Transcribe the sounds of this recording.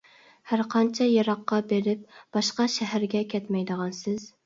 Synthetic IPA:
hæɾqʰɑnt͡ʃʰɛjɑɾɑqːɑbeɾɪp̚b̥ɑʃqɑʃɛɦæɾɡʲɛkʲʰɛt̪mɛjd̪əʁɑnsɪz̥

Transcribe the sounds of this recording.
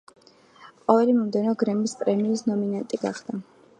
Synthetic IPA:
qʼɔvɛlimɔmd̪ɛnɔɡɾɛmispʼɾɛminisnɔminant̪ʼiɡa̰χd̪̥a

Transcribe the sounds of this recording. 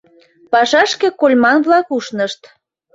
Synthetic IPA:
pɑʃɑʃkĕkolʲmɑnβlɑkuʃnəʃt̪

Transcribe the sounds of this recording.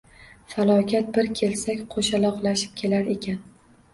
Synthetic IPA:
falˠɒkʲʰat̪̚bɪɾkʲʰe̞lsakʲqʰoʃalˠɒqlˠaʃɪ̥p̚kʲʰe̞laɾe̞kʲʰan

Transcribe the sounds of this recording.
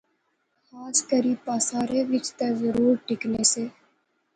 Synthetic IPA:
xaːskəɾiːpaːsaːɾeʋɪt͡ʃt̪ɐɾzəɾuːɾʈɪkneseː

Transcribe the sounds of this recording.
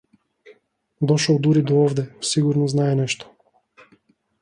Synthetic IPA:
d̪ɔʃɔlˠd̪uɾid̪ɔɔvd̪ɛsiɡuɾnɔznaɛnɛʃt̪ɔ̥

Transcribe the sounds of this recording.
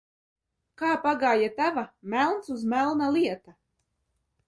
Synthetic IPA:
kaːpaɡaːjat̪avamælˠnsuzmælˠnalˠiɛt̪a

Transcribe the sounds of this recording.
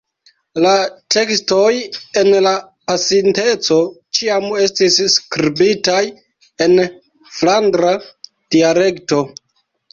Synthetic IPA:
latʰe̞ksto̞je̞nla | pasinte̞t͡so̞t͡ʃiame̞stisːkɾibitaj | e̞n | flandɾa | d̥iale̞kto̞

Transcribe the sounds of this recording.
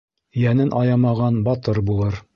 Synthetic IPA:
jænɘnʔɑjɑmɑʁɑnbɑt̪ɤɾbulˠɤɾ

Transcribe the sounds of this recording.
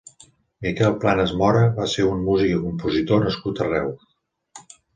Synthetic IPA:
mikɛlˠplanəzmɔɾəβaseɾummuzikəkumpuzit̪onəskut̪ərɛw

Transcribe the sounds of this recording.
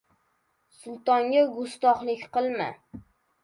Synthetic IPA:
sʊlˠt̪ɒŋɡʲaɡʊst̪ɒχlˠɪkʲqɨlˠma̰

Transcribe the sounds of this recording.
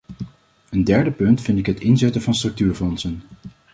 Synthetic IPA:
əndɛɹdəpɵntfɪntɪkɦətɪnzɛtənvɑnstrɵk̚tyːɹfɔnsən

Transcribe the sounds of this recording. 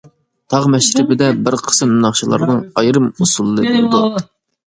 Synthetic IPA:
t̪ʰɑʁmɛʃɾɪbɪd̪ɛbɪɾqʰə̥sɨmnɨnɑχʃilˠɑ̰ɾnɨŋɑjɾɨmusulˠɨːɨbild̪u

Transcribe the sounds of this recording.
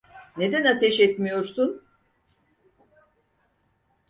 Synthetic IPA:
ne̞d̪ænat̪ʰɛʃɛt̪mijo̞ɾsun

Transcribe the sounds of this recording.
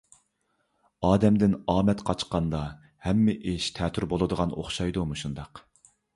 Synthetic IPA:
ɑːd̪ɛmd̪ɪnɑːmɛt̪qʰɑt͡ʃqɑnd̪ɑ | hɛmːɪʔeʃt̪ʰɛːt̪ʰyɾbolˠɨd̪əʁɑno̰χʃɑjd̪umuʃund̪ɑq

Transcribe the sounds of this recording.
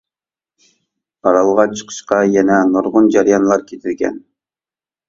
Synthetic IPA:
ɑɾɑlˠʁɑt͡ʃʰə̥qʰə̥ʃqɑjɛnɛnoɾʁʊnd͡ʒɑɾjɑnlˠɑɾkʲʰet̪ʰɪɾɡʲɛ̰n

